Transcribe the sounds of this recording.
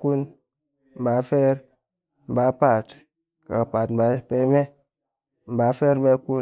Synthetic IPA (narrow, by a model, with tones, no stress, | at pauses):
ku˦n | m̩˨ba˨˦fe˦ɾ | m̩˨ba˨˦pa˨t | ka˨pa˨tm̩˨ba˨˦pe˦me˦ | m̩˨ba˨˦fe˦ɾme˦ku˦